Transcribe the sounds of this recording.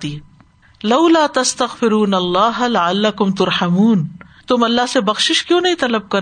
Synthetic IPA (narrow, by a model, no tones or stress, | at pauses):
i | lɐʊlaːt̪ɐst̪ɐɣfɪɾuːnɐlːaːɦlɐʕalːɐkʊmt̪ʊɾħamuːn | t̪ʊmɐlːaɦsebɐxʃɪʃkjõːnɐɦĩt̪ɐləb̚kɐɾ